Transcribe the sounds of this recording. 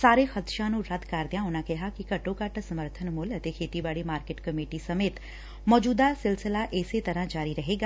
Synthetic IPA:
saːɾexət̪ʃãnũːɾɐd̪kaɾd̪ɪjãːʊnãːkɛɦakikɐʈõːkəʈsɐməɾt̪ʰənmʊlɐt̪ekʰeːt̪ibaːɽimaːɾkeʈkɐmeːʈisɐmeːt̪ | mɔːd͡ʒuːd̪asɪlsɪlaʔeːset̪ɐɾãːd͡ʒaːɾiɾɐɦeːɡaː

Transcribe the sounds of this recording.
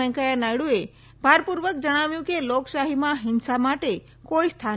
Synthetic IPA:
ə̃kajanajɽue | bʱaɾpuɾʋək̚d͡ʒəɽ̃aʋjũkelokʃaɦimãɦɪnsamaʈe | koist̪ʰa

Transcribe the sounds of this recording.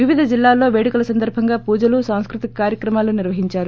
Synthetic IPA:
ʋiʋid̪ʱɐd͡ʒilːaːlːo̞ːʋeːɽikulɐsɐnd̪ɐɾbʱɐŋɡaːpuːd͡ʒɐlusaːw̃skɾut̪ikkaːɾjɐkɾɐmaːluniɾʋɐɦiɲt͡ʃaːɾu

